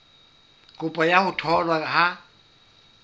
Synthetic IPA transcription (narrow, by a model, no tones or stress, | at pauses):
kʼʊpʼajahʊtʰɔlwaha